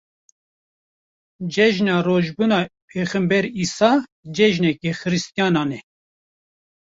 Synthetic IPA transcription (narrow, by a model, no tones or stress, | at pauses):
d͡ʒɛʒnɑːroːʒbunɑːpʰeːxɨmbɛɾiːsɑːd͡ʒɛʒnɛkɛxɨɾɨst̪ijɑːnɑːnɛ